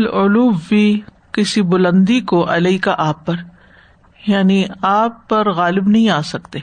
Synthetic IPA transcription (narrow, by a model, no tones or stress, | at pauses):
lʊluːbːi | kɪsibʊlə̃nd̪ikoʔɐlɐikaʔaːpːɐɾ | jaːniaːpːɐɾɣaːlɪbnɐɦĩaːsɐkt̪eː